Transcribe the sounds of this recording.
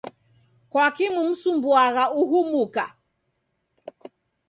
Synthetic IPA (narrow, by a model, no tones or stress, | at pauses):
kwakimum̩sumbuaɣauɦumuka